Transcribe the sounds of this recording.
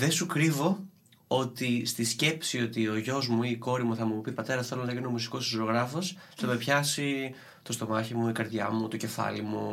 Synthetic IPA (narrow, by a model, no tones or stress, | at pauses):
ðe̞sukɾivo̞ | o̞t̪ist̪isce̞psio̞t̪io̞ʝo̞zmuiko̞ɾimuθɐmupipɐt̪e̞ɾɐsθelonɐkɐnomusi̥ko̞si̥soɾoɣɾɐfo̞s | θɐme̞pçɐsi | t̪ost̪o̞mɐçimuikɐɾðʝɐ̰mut̪o̞ce̞fɐ̰limu